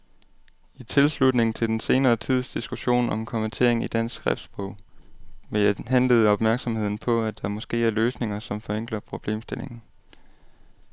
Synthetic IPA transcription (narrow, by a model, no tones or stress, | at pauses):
it͡sʰe̝lslud̥ne̝ŋ̩t͡sʰe̝d̥ense̝ːnɐːt͡sʰið̞̰ˠsd̥isɡ̥uɕo̝̰ːnɒ̽mkʰɒ̽ment͡sʰe̝̰ɐ̰eŋid̥æn̰sɡ̥sɡ̥ʁɛfd̥sb̥ʁɔʊ̰mejɦæn̰ləð̞̩ˠɒ̽b̥mæɐɡ̥sɒ̽mhe̝ð̰ˠn̩pʰɒ̽æd̥ɑ̈mɒ̽sɡ̥e̝̰ːæɐløːsne̝ŋɐsɒ̽mfɒ̽eŋ̰ɡ̥lɐpʰʁo̝b̥le̝̰ːmsd̥e̝le̝ŋn̩